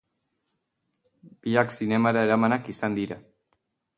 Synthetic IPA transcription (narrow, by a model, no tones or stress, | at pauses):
b̥iaksinɛmaðeɾamanakisand̪iɾa